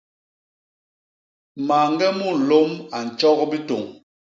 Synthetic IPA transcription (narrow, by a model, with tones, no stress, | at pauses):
ma˨ŋ˦ɡɛ˦mu˦˨n̩˨lo˦ma˨n̩˨t͡ʃɔ˦ɣbi˦to˨ŋ